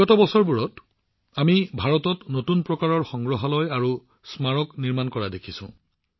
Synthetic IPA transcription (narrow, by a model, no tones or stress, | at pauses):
ɔtɔbɔsɔɹbuɹɔt | amibʱaɹɔtɔtnotunpɹɔkaɹɔɹxɔŋɡɹɔɦalɔjaɹu | smaɹɔkniɹmankɔɹadekʰisʊ̰̃